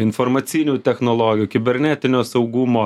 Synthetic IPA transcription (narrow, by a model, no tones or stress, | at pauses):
ɪnfɔɾmɐt̪sʲinʲuːt̪ʲɛxnɔlˠɔːɡʲɪjuːkʲɪbʲɛɾʲnʲæt̪ʲɪnʲoːsɐʊɡʊmoː